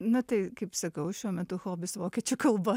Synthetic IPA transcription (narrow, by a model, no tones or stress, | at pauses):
nʊt̪ɐɪkɐɪpsɐkɐʊʃʲuɔmʲɛt̪ʊxoːbʲɪsʋoːkʲɛt͡ʃʲokɐlˠbɐ